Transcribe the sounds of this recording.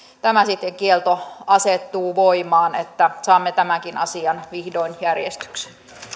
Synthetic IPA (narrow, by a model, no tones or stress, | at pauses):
t̪æmæsit̪ːeŋkielt̪oɑset̪ːuːʋoimɑːnet̪ːæsɑːmːet̪æmækinʔɑ̰siɑnʋihdoinjærjest̪y̥kse̥n